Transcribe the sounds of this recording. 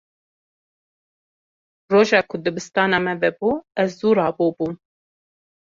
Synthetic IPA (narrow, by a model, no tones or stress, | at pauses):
roːʒɑːkʰʊd̪ɨbɨst̪ɑːnɑːmɛvɛbuːɛzzuːɾɑːboːbuːm